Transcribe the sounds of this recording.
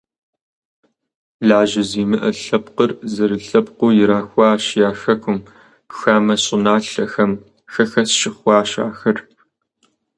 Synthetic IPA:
ɮaːʒɐziːmɨʔɐɬɐpqərzɐɾɨɬɐpqʷʊːjɪɾaːxʷɑːʃjaːxɐkʷʰʊm | xaːmɐɕʼɪnaːɬɐxɐm | xɐxɐsʃɪχʷɑːʃa̰ːxɐr

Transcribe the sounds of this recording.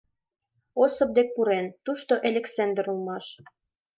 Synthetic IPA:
osɤ̆p̚d̪ek̚puɾent̪uʃt̪oʔelʲeksend̪ĕɾulmɑʃ

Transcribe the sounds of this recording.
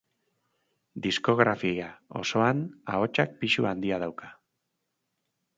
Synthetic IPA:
d̪isko̞ɣɾafiao̞̰so̞anao̞t͡ʃak̚piʃuand̪iað̞awkḁ

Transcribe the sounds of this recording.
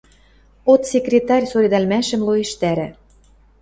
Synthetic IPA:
ot̪sʲekrʲet̪ɑrʲsoɾʲed̪ɑlmæʃə̆mloeʃt̪æɾɘ̆

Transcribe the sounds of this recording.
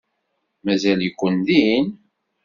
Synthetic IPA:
mæzæljəkʷːənd̪in

